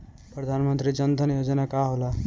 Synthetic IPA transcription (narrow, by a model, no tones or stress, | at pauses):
pɾʌd̪ʱanmənt̪ɾid͡ʒʌnd̪ʱənjod͡ʒənakaɦola